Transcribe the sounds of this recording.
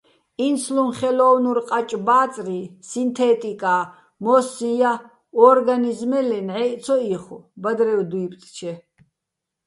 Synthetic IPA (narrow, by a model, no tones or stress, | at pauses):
insʰlumχɛlɔwnuɾqʼat͡ʃʼbaːt̪t͡s̪ʼrisint̪ʰɛt̪ʼikʼa | mɔsĩja | ɔɾɡanizmɛlɛnʕɛʔt̪sʰɔiχɔbad̪ɾɛwd̪uipt̪ʼt͡ʃʰɛ